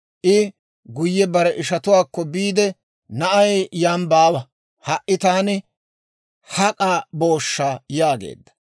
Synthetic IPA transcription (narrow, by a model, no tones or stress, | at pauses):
ʔɪ | ɡʊjːɛbɐɾɛʔɪʃɐt̪ʊwaːkːɔbiːd̪ɛ | nɐʔɐjjambaːwɐ | hɐʔɪt̪aːnɪ | hɐkʼaːbo̞ːʃːaːjaːɡḛːd̪ːɐ̥